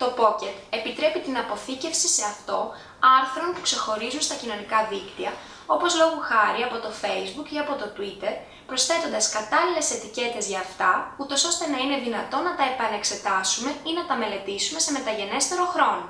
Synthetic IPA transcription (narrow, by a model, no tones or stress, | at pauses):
t̪o̞po̞ce̞t̪e̞pit̪ɾe̞pit̪inɐpo̞θice̞fsise̞ɐft̪o̞ | ɐɾθɾo̞npu̥kse̞xo̞ɾizunst̪ɐcino̞nikɐðikt̪iɐ | o̞po̞zlo̞ɣuxɐɾiɐpo̞t̪o̞fe̞jzbukiɐpo̞t̪o̞t̪uit̪e̞ɾ | pɾo̞sθe̞t̪o̞nd̪ɐskɐt̪ɐlile̞se̞t̪ice̞t̪e̞zʝɐːft̪ɐut̪o̞so̞st̪e̞nɐine̞ðinɐt̪o̞nɐt̪ɐepɐne̞kse̞t̪ɐsume̞inɐt̪ɐme̞le̞t̪isume̞se̞me̞t̪ɐʝe̞ne̞st̪e̞ɾo̞xɾo̞no̞